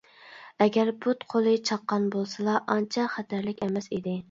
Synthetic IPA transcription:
ɛɡʲæɾbut̪qʰolˠɨt͡ʃʰɑqːɑnbolˠsɨlˠɑʔɑnt͡ʃʰɛχæt̪ʰæɾlɪkʲɛmɛsid̪ɪ

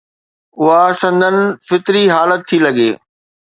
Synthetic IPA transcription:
ʊɦasɐ̃nd̪ʱənɪ̆fɪt̪ɾiɦaːlət̪ʰːilɐɡeː

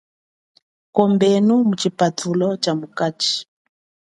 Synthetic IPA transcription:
kɔmbɛnumut͡ʃipatʰulɔt͡ʃamukat͡ʃi̥

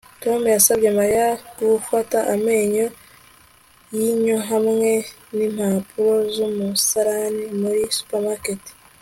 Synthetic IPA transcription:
to̞mujasabɟe̞maɾjaɡ̥ufataʔame̞ːɲo̞ | jiɲoɦamŋe̞ | nim̥hapʰuɾo̞zumusaɾanimuɾisu̥pamaketi̥

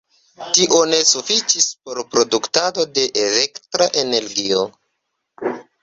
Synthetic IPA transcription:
tiʔo̞ne̞sufit͡ʃispo̞ɾpɾo̞duktado̞de̞ʔele̞ktɾaʔe̞ne̞ɾɡio̞

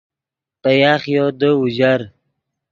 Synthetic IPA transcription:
pəjaːχjod̪əuʑaɾ

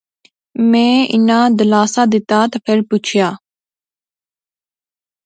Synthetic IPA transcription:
mɛ̃ːɪ̰nãːd̪əlaːsaːd̪ɪt̪aːt̪aːpʰɪɾpʊt͡ʃʰjaː

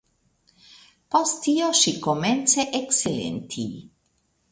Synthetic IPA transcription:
post̪ːioʃikoment͡seʔekselḛnt̪ʰḭ

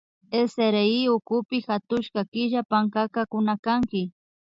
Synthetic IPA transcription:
eseɾeɪʊkʊpɪxat̪ʊʃkakɪʒapaŋkakakʊnakaŋkɪ

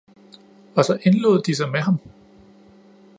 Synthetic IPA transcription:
ɒ̽sɒ̽ʔe̝nlo̝ːð̞̰ˠd̥is̬ɑ̈ɪmeɦɑ̈m

